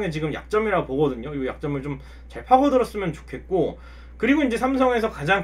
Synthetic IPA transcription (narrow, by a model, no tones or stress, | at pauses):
ŋet͡ɕiɡɯmja̰k̚t͡ɕ͈ʌmiɾaopoɡʌdɯɲojojak̚t͡ɕ͈ʌmɯɭt͡ɕom | t͡ɕaɭpʰaɡʌdɯɾʌs͈ɯmjʌnt͡ɕo̥kʰe̞t̚k͈o | kɯɾiɡoind͡ʑe̞sʰamsʰʌŋe̞s̬ʰʌkad͡ʑaŋ